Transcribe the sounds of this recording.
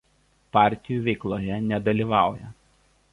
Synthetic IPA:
pɑˑɾʲt̪ʲɪjuʋʲɛɪklˠoːjɛnʲɛd̪ɐlʲiːˑʋɑˑʊjɛ̰

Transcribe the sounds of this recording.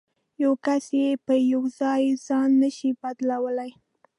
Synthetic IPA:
jawkasjepəjawzɑjzɑnːəʃibad̪lawəlaj

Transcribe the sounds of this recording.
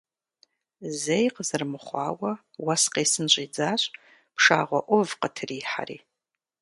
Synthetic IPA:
zejqʼzɨrmɨχʷɑ̰ːwɐ | wasqejsɨnɕʷʼid͡zaːɕʷʼ | pʰʂa̰ːʁʷɔʔʷʊvqətʰriːħa̰ɾḭ

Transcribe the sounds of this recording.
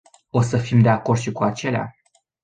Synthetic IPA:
o̞səfimd̪e̞ako̞rd̪ʃikuat͡ʃe̞lea̰

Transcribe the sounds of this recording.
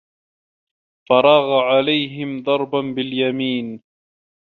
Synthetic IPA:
fɑɾˤɑːɣaʕalajɦɪmd̪ˤɑɾˤbanbɪljamiːn

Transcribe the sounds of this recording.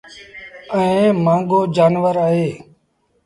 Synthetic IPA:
əẽːmãːŋɡoːd͡ʒaːnʋəɾaːɦeː

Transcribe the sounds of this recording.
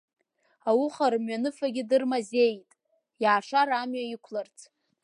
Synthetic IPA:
awʊχaɾɨmɥanɨfaɡʲɪdɨrmaze̞jtʼ | jaʕːʂaɾamɥaikʷʰlart͡sʰʼ

